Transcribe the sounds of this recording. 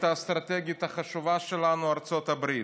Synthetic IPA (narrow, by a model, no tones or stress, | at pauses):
tast̪ɾat̪ɛɡiɪt̪aχaʃuvaʃɛlanuaɾt͡sɔt̪abɾi